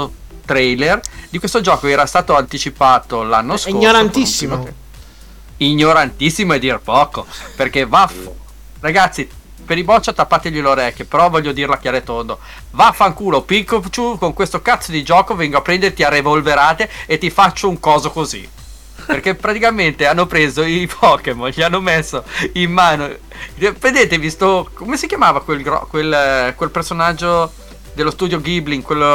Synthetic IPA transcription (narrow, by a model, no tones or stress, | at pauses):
ot̪ɾɛjlerd̪ikwest̪od͡ʒɔːkoɛːɾast̪aːt̪oant̪it͡ʃipaːt̪olanːoskioɲoɾant̪isːim | iɲːoɾant̪isːimoed̪ːirpɔːkoperkevaf | raɡat̪sːi | peɾibɔt͡ʃːat̪apːaːt̪eʎiloɾɛkːopeɾɔvɔʎːod̪iɾlakjaːɾet̪ond̪o | vafaŋkuːlopikːot͡ʃukoŋkwest̪okat̪sːod̪id͡ʒɔːkovɛŋɡoapːɾɛnd̪eɾet̪iarːevolveɾaːt̪eet̪ːifat͡ʃːouŋkɔːzokozḭ | perkepːɾat̪ikament̪eanːopɾeːzoipʰɔkemonʎianːomesːoimːaːno | pend̪eːt̪evist̪okomesikjamaːvakwelɡɾɔ̰kwelkwelpersonad͡ʒːo | d̪elːost̪uːd̪joɡibliŋkwelː